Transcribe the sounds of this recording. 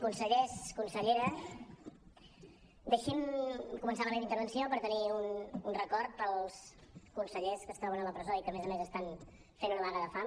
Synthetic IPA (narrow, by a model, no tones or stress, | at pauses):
kunsəʎeskunsəʎeɾəs | d̪eʃinkumənsaləmɛt̪int̪əɾβ̞ənsiopəɾt̪əniununrəkɔɾt̪̚pəlˠskunsəʎeskəst̪ɾɔβənələpɾəzoikəmezəmezəst̪an | fenunəβanəðəfa